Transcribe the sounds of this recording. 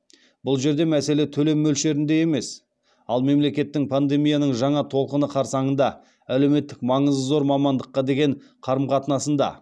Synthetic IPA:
bʊlˠʒe̞ɾd̪e̞mæse̞le̞t̪ʰɵle̞mːɵlʃe̞ɾɪnd̪e̞je̞me̞s | ɑlˠme̞mle̞kʲe̞t̪ːɪŋpʰand̪e̞mijanəɴʒɑɴɑt̪ʰo̞lˠqənəqʰɑɾsɑɴənd̪ɑ | æle̞wme̞t̪ːɪk̚mɑɴəzzo̞ɾmɑmɑnd̪əqːɑd̪e̞ɡʲe̞ɴ | qʰɑɾəmqʰɑt̪ənɑsənd̪ɑ̰

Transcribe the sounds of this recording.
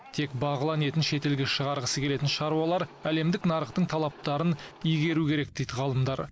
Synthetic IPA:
t̪ʰe̞kbɑʁəlˠɑne̞t̪ɪnʃe̞t̪e̞lɡʲeʃəʁɑɾʁəsəkʲʰe̞le̞t̪ɪnʃɑɾuɑlˠɑɾæle̞md̪ɪknɑɾəqt̪əɴt̪ʰɑlˠɑp̚t̪ɑɾənijɡʲe̞ɾukʲʰe̞ɾe̞k̚d̪e̞jd̪ɪʁɑlˠəmd̪ɑɾ

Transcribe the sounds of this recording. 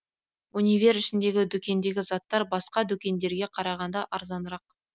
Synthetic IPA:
unʲijvʲe̞ɾɪʃɪnd̪e̞ɡʲɪd̪ɵkʲe̞nd̪e̞ɡʲɪzɑt̪ːɑɾbɑsqɑd̪ɵkʲe̞nd̪e̞ɾɡʲe̞qʰɑɾɑʁɑnd̪ɑʔɑɾzɑnəɾɑq̚

